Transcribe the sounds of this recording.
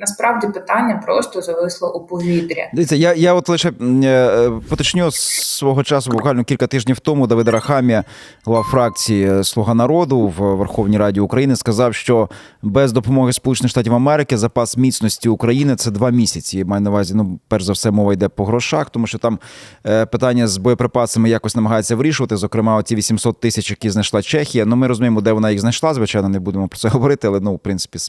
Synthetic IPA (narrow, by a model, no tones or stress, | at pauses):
nɐspɾɑwdʲipɪt̪ɑnʲːɐpɾɔst̪ɔzɐʋɪslˠɔʔʊpɔʋʲid̪ɾʲɐ̰d̪eʋʲitʲt͡sʲːɐjajaɔt̪lˠɪʃɛ | pɔt̪ɔt͡ʃnʲussʋɔɦɔt͡ʃɑsʊbɔkʋɑlʲnɔkʲilʲkɐt̪ɪʒnʲiwt̪ɔmʊd̪ɐʋɪd̪ɾɐxɑmʲiɐ | lˠɑwfɾɑk̚t͡sʲijislˠʊɦɑnɐɾɔd̪ʊwʋerxɔwnʲiɾɑdʲiʊkɾɐjinɪskɐzɑwʃt͡ʃɔ | bɛzd̪ɔpɔmɔɦɪspɔlut͡ʃenɪxʃt̪atʲiwɐmɛɾɪkɪzɐpɑsmʲit̪sʲnɔsʲtʲiʊkɾɐjinɪt̪sɛd̪ʋɑmʲisʲɐt͡sʲimɑjɛnɐʋɑzʲinupɛrʒzɐwsɛmɔʋɐjd̪ɛpɔɦɾɔʃɑxt̪ɔmuʃt͡ʃɔt̪ɑmpɪt̪ɑnʲːɐzbɔjɔpɾɪpɑsɐmɪjakɔsʲnɐmɐɦɑjet͡sʲːɐʋɾʲiʃʊʋɐt̪ɪzɔkɾɪmɑɔtʲiʋʲisʲimsɔt̪ːɪsʲɐt͡ʃjɐkiznɐjʃlˠɑt͡ʃɛxʲijɐnumɪɾɔzʊmʲijemɔd̪ɛʋɔnɑjiɣznɐjʃlˠɑzʋɪt͡ʃɑjnɔnebud̪emɔpɾɔ̥tsɛɦɔʋɔɾɪt̪ɪɑlˠɛnuwpɾɪnsɪ̥pʲis